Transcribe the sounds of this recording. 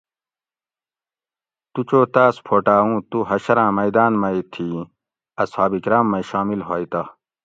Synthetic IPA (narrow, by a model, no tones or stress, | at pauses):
t̪ut͡ɕoːt̪aːspʰoːʈaːũːt̪uɦɐɕɐɾãːmɐjd̪aːnmɐjt̪ʰiː | ɐshaːbikɾaːmːɐjɕaːmilɦoːjt̪ɐ